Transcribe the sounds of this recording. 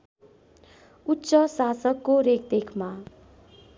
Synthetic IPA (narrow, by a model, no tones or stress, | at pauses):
ut̪ːsʌsasʌkːoɾekd̪ekʰma